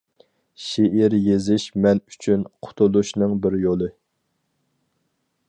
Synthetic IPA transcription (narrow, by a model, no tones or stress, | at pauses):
ʃeʔiɾjezɪʃmɛny̥t͡ʃʰynqʰʊ̥t̪ʰulˠuʃnɨŋbɪɾjolˠɨ